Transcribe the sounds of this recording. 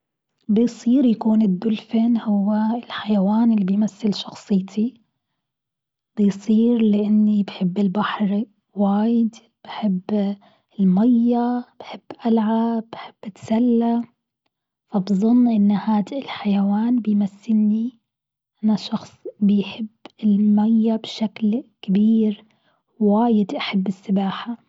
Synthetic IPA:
bɪjsˤiːɾjakuːnɪd̪ːʊlfɪnhʊwːaɪlħajawaːnɪlːibɪjmaθːɪlʃɑxsˤɨjt̪ʰi | b̥ɪjsˤiːɾlɪʔɪnːibħɪbːɪlbaħɾ | waːjɪd̪ | b̥ɪħɪbː | ɪlmajːab̥ħɪbːʔalʕaːaħɪb̥ːʔɪt̪salːa | fabzˤʊnːʔɪnːhaːd̪ɪlħajawaːnbɪjmasːɪnːi | ʔanaʃɑxsˤbɪjħɪbːɪlmajːabʃaklkɪbiːɾ | waːjɪd̪ʔaħɪbːɪsːɪbaːħa

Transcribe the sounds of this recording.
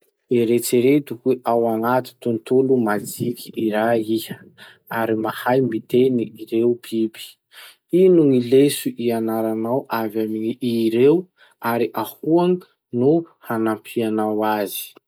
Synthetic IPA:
eɾet͡seɾet̪ukueʔawaŋat̪i̥t̪unt̪ulumad͡zikʰʲiʔiɾaiə | aɾimahajmbit̪eniːɾeupʰibi̥ | inuŋilesuʔianaɾanawʔavamiɲiʔiɾew | aɾiʔahuaŋi | nuhanampʰianawazi̥

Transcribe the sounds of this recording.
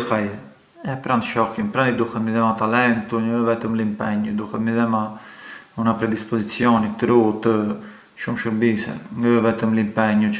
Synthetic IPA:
faj | ɛpɾand̪ʃɔxjəmpɾand̪id̪uhɛt̪miðɛmat̪alɛnt̪uɲəvɛt̪əmlimpɛɲud̪uhɛt̪miðɛma | unapɾɛd̪ispɔzit͡sjɔnit̪əɾut̪ə | ʃumʃəmbisɛ̰ŋɡəvɛt̪əmlimpɛɲu

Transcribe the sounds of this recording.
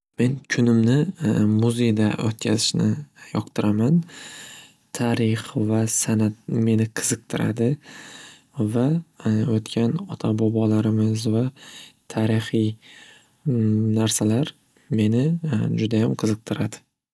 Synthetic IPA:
me̞nkʲʰʊnɪmnɪmʊze̞jd̪aʔot̪kʲʰazɪʃnɪjɒqt̪ʰɨɾʔaman | t̪ʰaɾɪχvasanat̪̚me̞nɪqʰɨz̥ɨq̚t̪ʰɪɾʔa̰d̪ɪ | vaot̪kʲʰanɒt̪ʰabɒbɒlaɾɪmɪzvat̪ʰaɾɪχij | naɾsalaɾ | me̞nɪd͡ʒʊd̪ajamqʰɨzɨq̚t̪ʰɪɾad̪ɪ

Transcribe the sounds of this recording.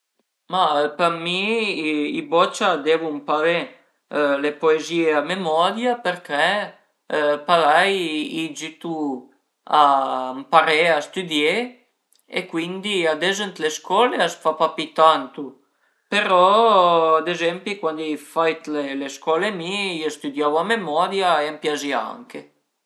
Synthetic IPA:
mapaɾmi | ibɔt͡ʃad̪evumpave | lepoezieamemɔd̪japeɾkɛ | pavajid͡ʒit̪u | ampaɾeast̪yd̪je | ḛkwind̪iad̪ezənt̪leskɔleasfapapit̪ant̪u | peɾɔ | ad̪ezɛmpikwand̪ijfajt̪leleskɔlemiiost̪yd̪jawamemɔd̪jaeampjazia̰ŋke

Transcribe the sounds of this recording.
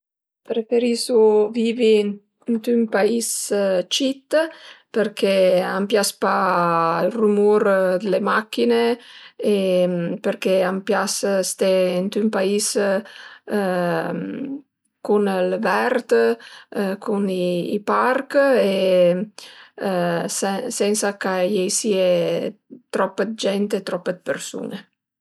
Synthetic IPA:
pɾefeɾisuvivin | nt̪ympaist͡ʃit̪peɾkʰeampjaspa | lrumuɾd̪lemakːineepeɾkeampjasst̪eint̪ympais | kunəlvɛrt̪ | kʰuniːparke | sɛnsakajɛjsie | t̪ɾɔpːəd̪̚d͡ʒɛnt̪et̪ɾɔpːəd̪peɾsṵne

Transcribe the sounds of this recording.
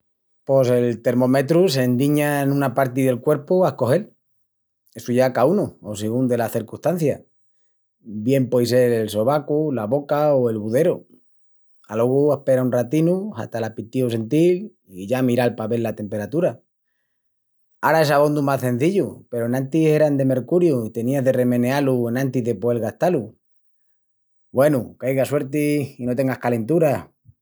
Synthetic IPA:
po̞se̞lt̪e̞ɾmo̞me̞t̪ɾus̬e̞nd̪iɲanũnapaɾt̪iðe̞lkwe̞ɾpuahko̞xe̞l | e̞suʝakaunuosiɣund̪e̞laθiɾkust̪an̟θja | bje̞mpwejse̞ɾelso̞βakulaβo̞kaoe̞lβuðe̞ɾo | a̰lo̞ɣuehpe̞ɾaunrat̪inua̰t̪alapit̪iose̞nt̪il | iʝamiɾalpaβe̞lːat̪e̞mpe̞ɾat̪uɾa | aɾae̞saβo̞nd̪umasθẽ̞n̟θiʎupe̞ɾoenãnt̪iseɾand̪e̞me̞ɾkuɾjuit̪e̞niaðe̞re̞mẽ̞nealuenãnt̪iðe̞poelɣaht̪alu | bwe̞nukajɣaswe̞ɾt̪iino̞t̪e̞ŋɡahkale̞nt̪uɾa

